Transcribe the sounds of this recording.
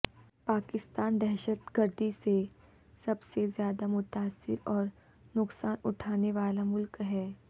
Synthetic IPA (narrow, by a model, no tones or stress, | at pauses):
paːkɪst̪aːnd̪ɛɦʃət̪ɡɐɾd̪ise | sɐbsezjaːd̪amʊt̪aːsːɪ̰ɾɔːɾ | nʊksaːnʊʈʰaːneʋaːlamʊlkɦɛː